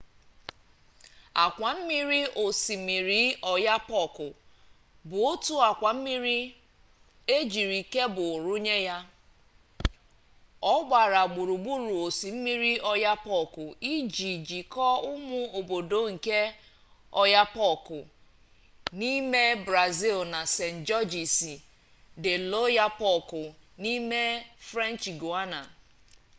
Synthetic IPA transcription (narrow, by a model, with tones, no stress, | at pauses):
a˨kʷa˨m̩˦mi˦ɾi˦o˨si˨mi˨ɾi˨˦ɔ˨ja˦pɔ˦˨kʊ˨ | bʊ˨o˦tu˦a˨kʷa˨m̩˦mi˦ɾi˦ | e˦d͡ʒi˨ɾi˨ke˦bʊ˨ɾʊ˦ɲe˦ja˦ | ɔ˦ɡ͡ba˨ɾa˨ɡ͡bu˨ɾu˨ɡ͡bu˦ɾu˨o˨si˨m̩˦mi˦ɾi˦ɔ˦ja˦pɔ˦˨kʊ˨i˦d͡ʒi˨d͡ʒi˨kɔ˦ʊ˦mʊ˦o˨bo˨do˨˦ŋ̩˨ke˦ | ɔ˦ja˦pɔ˦kʊ˨ | ni˦me˦bɾa˨zi˦lna˨se˨n̩˨d͡ʒɔ˦d͡ʒi˨si˨ | dɪ˨lo˦ja˦pɔ˦˨kʊ˨ni˦me˦fɾa˦n˨t͡ʃi˨ɡu˨a˦na̰˨